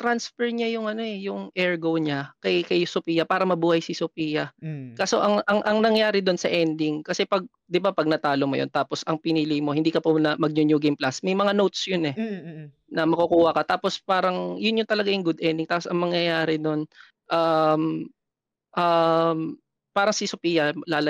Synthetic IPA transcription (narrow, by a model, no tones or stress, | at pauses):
t̪ɾansfɛɹɲajʊŋʔɐno̞ɛjʊŋʔɛɹɡowɲakɐjkɐjsopiːjɐpaːɾɐmɐbuːhɐjsɪsopiːjɐkaso̞̰ʔɐŋʔɐŋʔɐŋnɐŋjaːɾɪd̪o̞nsɐʔɛnd̪ɪŋkɐsɛpɐɡ̚ | d̪ɪbapɐɡ̚nɐt̪aːlomo̰jont̪aːposʔɐŋpɪniːlɪjmo̞hɪnd̪iːkɐpɐnɐmɐɡ̚ɲʊnjuːɡemplasmɐjmɐŋanowt̪̚sjonɛ | nɐmɐkʊkuːhɐkɐt̪aːpo̞spaːɾɐŋjʊnjʊnt̪ɐlɐɡajʊŋɡʊd̪ʔɛnd̪ɪŋt̪aːposɐŋmɐŋjɐjaːɾɛnon | ʔam | ʔɐm | paːɾɐŋsɪsʊpiːjɐlaːlɐ